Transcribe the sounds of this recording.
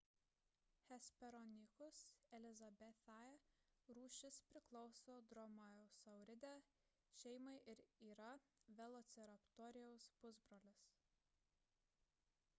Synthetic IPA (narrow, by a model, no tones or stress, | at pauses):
hʲɛsʲpʲɛɾɔnʲɪxʊsɛlʲɪzɐbʲɛθɑɛɾuːʃʲɪspʲɾʲɪklˠɒʊsoːd̪ɾɔmɐjɛʊsɐʊɾʲɪd̪ʲæ | ʃʲɛɪmɐɪʔɪɾiːɾɐʋʲɛlˠɔt̪sʲɛɾɐpt̪ɔɾʲɪjɛʊspʊzbɾoːlʲɪs